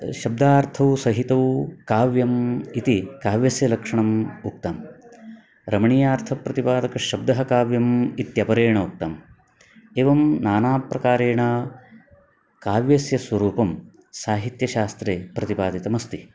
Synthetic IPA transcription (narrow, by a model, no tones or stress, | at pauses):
ʃɐb̚d̪aːɾt̪ʰɐʋusɐɦit̪ɐʋukaːʋjɐmit̪ikaːʋjɐsjɐlɐkʂɐɳɐmuk̚t̪aːm | ɾɐmɐɳijaːɾt̪ʰɐpɾɐt̪ipaːd̪ɐkɐʃɐb̚d̪ɐɦɐkaːʋjɐmit̪jɐpɐɾeːɳɐuk̚t̪aːm | eːʋɐmnaːnaːpɾɐkaːɾeːɳa | kaːʋjɐsjɐswʋɐɾuːpɐm | saːɦit̪jɐʃaːst̪ɾeːpɾɐt̪ipaːd̪it̪ɐmɐst̪i